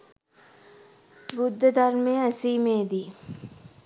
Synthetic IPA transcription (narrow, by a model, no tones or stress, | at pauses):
bud̪ːəd̪ʱarmejəæsiːmeːd̪i